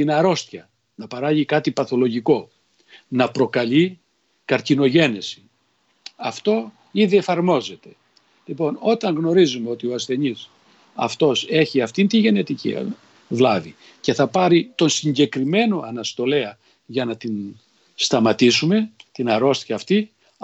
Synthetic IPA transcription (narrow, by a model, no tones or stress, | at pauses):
t̪inɐɾo̞st̪çɐ | nɐpɐɾɐʝikɐt̪ipɐθo̞lo̞ʝiko̞ | nɐpɾo̞kɐʎi | kɐɾcino̞ʝe̞nesi̥ | ɐft̪o̞ | iðie̞fɐɾmo̞ze̞t̪e̞̥ | lipo̞no̞t̪ɐŋɣno̞ɾizumeo̞t̪io̞ɐsθe̞ɲis | ɐ̰ft̪o̞se̞çiɐft̪int̪iʝe̞ne̞t̪icḭ | vlɐvi | ce̞θɐpɐɾit̪o̞nsiɲɟe̞kɾime̞no̞ɐnɐst̪o̞le̞ɐ | ʝɐnɐt̪in | st̪ɐmɐt̪isume̞t̪inɐɾo̞st̪çɐːft̪i